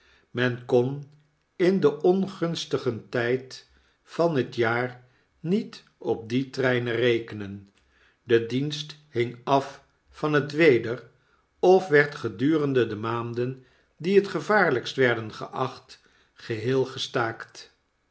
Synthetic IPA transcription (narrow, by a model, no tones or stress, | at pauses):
mɛnkɔn | ɪndəʔɔnχɵnstəχəntɛjt | fɑnɦətjaːr | nit | ɔp̚ditrɛjnərejkənən | dədinsthɪŋɑf | fɑnɦətʋejdər | ɔfʋɛɹtχədyːrəndədəmaːndən | diɦətχəvaːɹləkstʋɛɹdənχə̰ʔɑχt | χəɦɪːlˠχəstaːkt